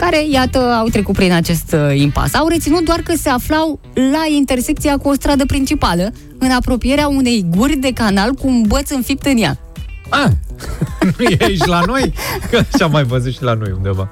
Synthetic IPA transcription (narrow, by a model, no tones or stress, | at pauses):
kaɾe̞jat̪əawt̪ɾe̞kut̪pɾinat͡ʃe̞st̪impa̰sawɾe̞t̪sinut̪̚d̪oarkəse̞aflaw | laint̪e̞rse̞k̚t̪siakuo̞st̪ɾad̪əpɾint͡ʃipalə | ɨnapɾo̞pije̞ɾeaune̞jɡurʲd̪e̞kanalkuːnbət̪sɨnfip̚t̪ɨnja̰ | a | nujeʃlano̞jəʃamːajvəzut̪ʃilano̞̰jund̪e̞va̰